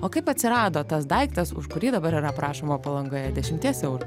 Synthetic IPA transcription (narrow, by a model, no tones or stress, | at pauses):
oːkɐɪpɐt̪ʲsʲɪɾɑːd̪oːt̪ɐsd̪ɐɪkt̪ɐsʊ̰ʃkʊɾʲiːd̪ɐbɐɾiːɾɐpɾɑːʃoːmoːpɐlˠɐŋɡoːjɛd̪ʲɛʃʲɪmʲt̪ʲiɛsɛʊɾʊ